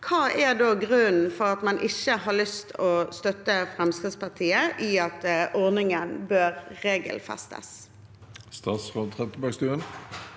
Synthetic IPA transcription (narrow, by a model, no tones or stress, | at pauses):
kʰɑːʔɛʁd̪oːɡʁʉnn̩fɔʁɑt̪mɑnʔɪçəɦɑːlʏst̪ʰɔst̪œt̪ːəfɾɛmskʁɪd̪spɑʁt̪ʰiːəʔiɑt̪ʔɔʁnɪŋənbøːʁːeːɡə̰lfɛ̰st̪ə̰s | st̪ɑːsʁoːd̪̚t̪ʰʁɛt̪əbɑɡst̪ʉːən